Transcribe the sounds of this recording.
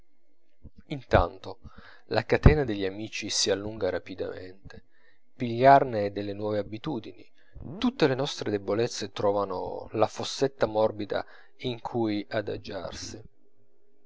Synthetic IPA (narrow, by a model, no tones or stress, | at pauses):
int̪a̰nt̪o | lakat̪ɛːnad̪eʎːamiːt͡ʃisialːuŋɡaɾapid̪a̰mḛnt̪e | piʎːarned̪elːenwɔːveabit̪uːd̪ini | t̪ut̪ːelenɔst̪ɾed̪ebolet̪sːet̪ɾɔːvano̰lafosːet̪ːamɔrbid̪a̰ | iŋkʰujad̪a̰d͡ʒa̰rsi